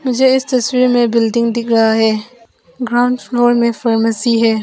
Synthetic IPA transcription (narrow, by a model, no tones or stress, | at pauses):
mɪd͡ʒəɪst̪ɐswiɾmebɪlɖɪŋd̪ɪk̚ɾɐɦaɦɛ | ɡɾawɳɖpʰloɾmẽpʰaɾmɐsiɦɛ